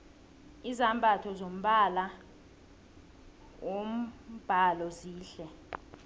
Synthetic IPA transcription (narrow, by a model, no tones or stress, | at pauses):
izambʱatʰɔzom̩ɓala | wom̩b̥ʱalɔziːɬɛ